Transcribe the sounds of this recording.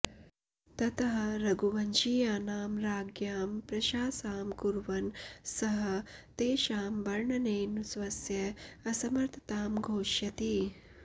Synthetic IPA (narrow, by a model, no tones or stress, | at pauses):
t̪ɐt̪ɐɦɐ̆ɾɐɡuʋɐnʃijaːnaːmɾaːɡjaːmpɾɐʃaːsaːmkuɾʋɐnsɐɦɐt̪eːʃaːmbɐɾɳɐneːnusʋɐsjɐɐsɐmɐɾt̪ʰɐ̥t̪aːmɡʱoːʃjɐt̪i